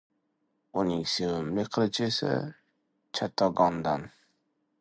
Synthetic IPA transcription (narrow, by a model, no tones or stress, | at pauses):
ʊnɪŋsewɪmlɪqʰɨlɪt͡ʃʰesɪ̰ | t͡ʃʰat̪ʰɒɡɒnd̪an